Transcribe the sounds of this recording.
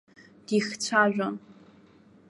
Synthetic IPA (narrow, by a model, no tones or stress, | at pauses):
d̥ixt͡sʷʰaʒʷᶣon